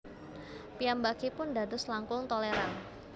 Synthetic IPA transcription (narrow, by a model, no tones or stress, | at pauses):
pijambakipʊndadʊslaŋkʊŋt̪oleɾan